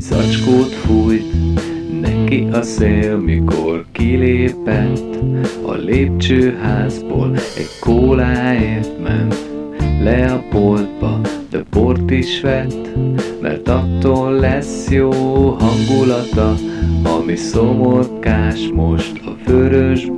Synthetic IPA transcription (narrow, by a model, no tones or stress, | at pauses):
zɒ̰t͡ʃkoːt̪fujt̪ | nɛkiʔɒseːlmikorkileːpɛt̪t̪ːɒ̰leːp̚t͡ʃøːɦaːzbo̰ːlɛ̰ɟkʰoːlaːeːft̪mɛ̰nt̪ | lɛɒpold̪̚bɒ̰d̪̥ɛport̪iʃʋɛt̪ːmɛ̰rt̪ɒt̪ːoːlːɛsjoːɦɒŋɡulɒt̪ɒɒmisomorkaːʃmo̞ʃt̪ɒ̰føɾøʒ